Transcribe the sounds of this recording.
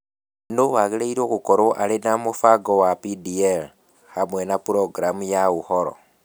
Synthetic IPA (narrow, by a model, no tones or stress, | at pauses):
nowaɣeleiɾoɣukoɾoʔalenamufaɡowapidiel | hamwenapuɾoɡɾamujaɣuhoɾo̰